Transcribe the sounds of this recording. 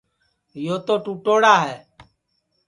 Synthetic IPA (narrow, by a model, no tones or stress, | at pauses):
joːt̪oːʈuːʈoːɽaːɦɛː